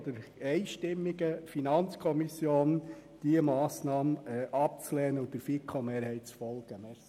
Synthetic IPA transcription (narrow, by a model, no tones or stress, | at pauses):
d̪əɾɛɪʃtɪmːiɡ̥əfinɑnt͡skʰɔmisjoːnd̥iəmɑːsnɑːmɛʔɑp̚t͡slɛːnəʊd̥̪ɪɾfikʰːomeːɾhɛɪt̚t͡sfɔlɡ̥əmɛ